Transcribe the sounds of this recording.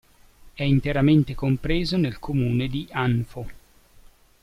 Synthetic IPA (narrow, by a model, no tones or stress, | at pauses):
ɛint̪eɾament̪ekompɾeːzonelkʰomuːned̪ianfo